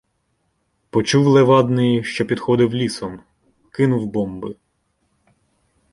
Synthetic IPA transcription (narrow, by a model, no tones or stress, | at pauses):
pɔt͡ʃuwlˠeʋɑd̪nɪjʃt͡ʃɔpʲid̪xɔd̪ɪwlʲisɔm | kɪnʊwbɔmbɪ